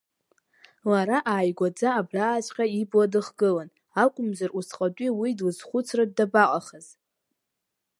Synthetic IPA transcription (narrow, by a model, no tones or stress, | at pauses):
laɾaʔaːjɡʷad͡zaːbraːt͡ʃʷʼqʲʼaibʼladɨχɡɨlan | akʷʼʊmzarusqʼadʷʼiwidlɨzχʷʊt͡sʰrad̚dabaqʼaχəz̥